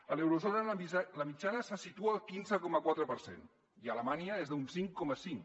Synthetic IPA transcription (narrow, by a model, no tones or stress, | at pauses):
əlewɾuzɔnələmit͡ʃanəsasit̪uaːlˠkinzəkɔməkwat̪ɾəpəɾsḛn | iələmaniəezðunsiŋkːɔməsiŋ